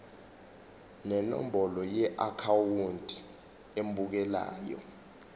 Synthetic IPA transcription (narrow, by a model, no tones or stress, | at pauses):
nɛnɔ̰m̩bɔlɔjɛʔakʰawundʱʼi | embuk̬ɛla̰ːjɔ̰